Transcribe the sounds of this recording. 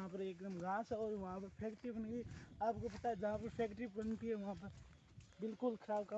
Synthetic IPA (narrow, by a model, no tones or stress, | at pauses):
ɦãpəɾeːkd̪əmɡãːsɛɔːɾʋɐɦãpɐɾpʰeːkʈɪbənɡiaːp̚kopɐt̪aɛd͡ʒɐɦãpɐɾpʰeːkʈɪbbənt̪iɦɛʋɐɦãpəɾ | bɪlkʊlkʰəɾaːbka